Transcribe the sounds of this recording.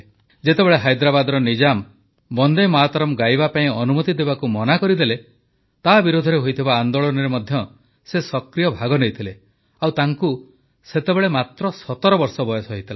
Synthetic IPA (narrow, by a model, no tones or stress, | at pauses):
d͡ʒet̪ebeɭeɦajd̪ɾabad̪ɔɾɔnid͡ʒam | bɔnd̪emɔɦat̪ɔɾɔmɡajbapaĩɔnumɔt̪id̪ebakumɔnakɔɾid̪ele | t̪abiɾod̪ʱɔɾeɦojt̪ʰibaːnd̪oɭɔnɔɾemɔd̪ʱjɔ | sesɔkɾijɔbʱaɡɔnejt̪ʰile | awt̪aŋku | set̪ebeɭemat̪ɾɔsɔt̪ɔɾɔbɔɾsɔbɔjɔsɔɦit̪ʰila